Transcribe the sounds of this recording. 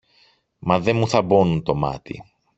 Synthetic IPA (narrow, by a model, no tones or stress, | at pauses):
mɐðe̞muθɐbo̞nunt̪o̞mɐ̰t̪ḭ